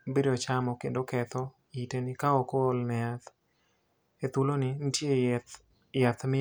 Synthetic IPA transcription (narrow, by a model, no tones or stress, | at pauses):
biɾot͡ʃamɔkendokɛt̪ɔ | itenɪkaokolnɛat̪ | et̪ulonɪntje | jat̪mɪ